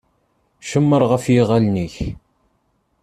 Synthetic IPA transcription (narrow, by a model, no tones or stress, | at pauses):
ʃəmːəɾˤʁəfjɪʁalniç